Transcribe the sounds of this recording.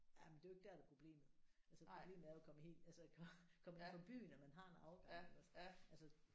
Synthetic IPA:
jæmnd̥e̝jo̝e̝ɡ̥̚d̥æɐd̥epʰʁo̝b̥le̝̰ːmð̩ˠælsəʁoble̝̰ːmð̩ˠæɐjkʰɒ̽məhe̝̰ːld̥ælsəkʰkʰɒ̽me̝nfʰɒ̽b̥y̰ːnɒmænɦɑ̈e̝nɑ̈ʊɡ̥ɑŋ̰elæsælsə

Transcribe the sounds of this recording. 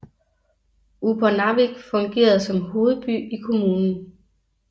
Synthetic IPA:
upʰɐnɑʋiɡ̥fɒ̽ŋɡ̥e̝̰ːɐð̩ˠsɒ̽mho̝ːð̞̩ˠb̥y̰ːikʰo̝muːnn̩

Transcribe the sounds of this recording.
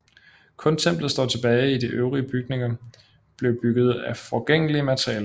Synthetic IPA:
kʰɔ̽nt͡sʰem̰b̥lð̩ˠsd̥ɒ̰ːt͡sʰe̝b̥ɛːɪid̥iʔøʊʁiəb̥yɡ̥ne̝ŋɐ | b̥le̝ʊb̥yɡ̥ð̞̩ˠæfɒɡ̥eŋ̰əliəmæt͡sʰʁijɛːlɐ

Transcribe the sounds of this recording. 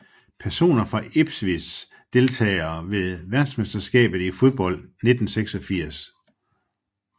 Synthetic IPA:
pʰæɐso̝̰ːnɐfʁɑ̈eb̥sʋis | d̥e̝lt͡sʰɛ̰ːɪɐːʋe̝ðˠʋæɐd̥smesd̥ɐsɡ̥ɛ̰ːb̥ð̩ˠifo̝ð̞ˠb̥ɒ̽l̰d̥ne̝d̥n̩seɡ̥sɒ̽fiɐ̰s

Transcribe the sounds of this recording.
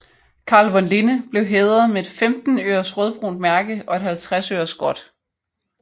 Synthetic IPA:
kʰɑ̈ːlʋɒ̽nlenəb̥le̝ʊɦeːð̞ˠɐmeed̥femd̥n̩ø̰ːɐsʁœð̞ˠb̥ʁṵːnd̥̚mæɐɡ̥əɒ̽e̝d̥hælt͡sʰʁasø̰ːɐsɡ̥ɒ̽d̥

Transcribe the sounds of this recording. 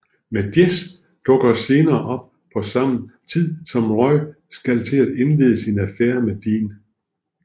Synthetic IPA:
med̥jes | d̥ɔ̽ɡ̥ɐse̝ːnɐːʔɒ̽b̥̚ | pʰɒ̽sɑ̈m̰n̩t͡sʰið̰ˠsɒ̽mʁɒɪ̰ | sɡ̥ælt͡sʰe̝læd̥e̝nle̝ːðˠəsinæfeɐmed̥iːn

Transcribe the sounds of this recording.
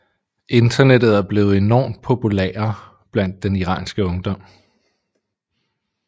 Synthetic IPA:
ʔe̝nd̥ɐned̥ð̞̩ˠæɐb̥le̝ːʊð̩ˠe̝nɒ̰ːmd̥̚pʰo̝pʰulḛːɐ | b̥læn̰d̥ːeniʁɑ̰̈ːnsɡ̥əɔ̽ŋd̥ɒ̽m̰

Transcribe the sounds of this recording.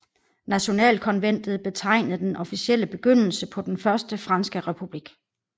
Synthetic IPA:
næɕo̝nɛ̰ːlkʰɒ̽nʋen̰d̥ð̩ˠb̥e̝t͡sʰɑ̈ɪ̰nəð̩ˠd̥enʔɒ̽fisiel̰əb̥e̝ɡ̥øn̰l̩səpʰɒ̽d̥enfɶɐsd̥əfʁɑ̈nsɡ̥əʁɛpʰub̥liɡ̥

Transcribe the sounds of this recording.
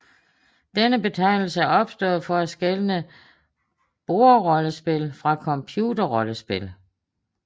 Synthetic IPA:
d̥enəb̥e̝t͡sʰɑ̈ɪ̰nl̩səæɐɒ̽b̥sd̥ɔ̰̽ːð̩ˠfɒ̽æ̥sɡ̥elənə | b̥o̝ɐʁɒ̽ləsb̥e̝lfʁɑ̈kʰɒ̽mpʰjudɐʁɒ̽ləsb̥e̝l

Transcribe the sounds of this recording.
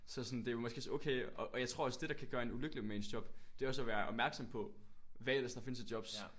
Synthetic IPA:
sɒ̽sɒ̽nd̥e̝jomɒ̽sɡ̥e̝so̰ːkʰeɪɒʔɒjɑ̈ɪt͡sʰʁo̝ɐɒ̽sd̥e̝ɾ̥ɑ̈kʰæɡ̥ɶːɐe̝nuløɡ̥əlimensd̥ɒ̽b̥d̥e̝ɒ̽sɒʋæːɐʔɒ̽b̥mæɐɡ̥sɒ̽m̰pʰɒ̽ | ʋæelɐsd̥ɑ̈fe̝nəs̬id̥jɒ̽b̥s

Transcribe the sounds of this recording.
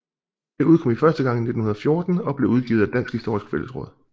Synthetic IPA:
d̥euð̞ˠkʰɒ̽mifɶɐsd̥əɡ̥ɑ̈ŋine̝d̥ⁿn̩hunɐðˠfjo̝ːɐd̥n̩ɒ̽b̥le̝uð̞ˠɡ̥ḭʊð̩ˠæd̥ænsɡ̥hisd̥o̝̰ːʁisɡ̥ə̥feləsʁɔ̽ːð̰ˠ

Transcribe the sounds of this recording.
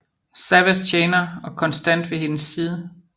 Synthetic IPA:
sæʋæst͡ɕʰeːnɐɒ̽kʰɒ̽nsd̥æn̰d̥ʋe̝ɦe̝nəsːiːð̞ˠə

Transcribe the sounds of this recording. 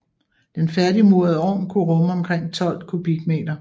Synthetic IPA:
d̥enfæɐdimuɐðˠɒ̰ːnkʰuʁɔ̽məɒ̽mkʰʁeŋ̰t͡sʰɒ̽l̰d̥kʰub̥iɡ̥me̝̰ːd̥ɐ

